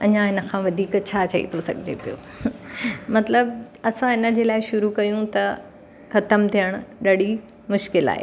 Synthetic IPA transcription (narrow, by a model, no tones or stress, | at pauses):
ɐɲãɦɪnə̆kʰãːʋɐd̪ʱiːkt͡ɕʰaːt͡ɕɐḭt̪ʰosɐ̰ɡʱɪd͡ʑḛpijo̰ | mɐt̪ləb̚ɐsãɦɪnə̆d͡ʑeːlaːɪʃʊɾukɐjũt̪ɐ | xɐt̪əmt̪ʰijəɽ̃ɗɐɽi | mʊʃkɪla̰ːɦḛː